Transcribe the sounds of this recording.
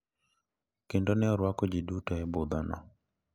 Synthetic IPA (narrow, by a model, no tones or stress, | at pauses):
kendonɪɔɾwakɔd͡ʒidutɔɛbʊd̪anɔ̰